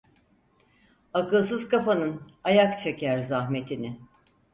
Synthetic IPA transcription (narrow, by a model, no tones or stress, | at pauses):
akɯlˠs̬ɯzkafanɯnajakt͡ʃʰecʰæɾzahme̞t̪ʰinɪ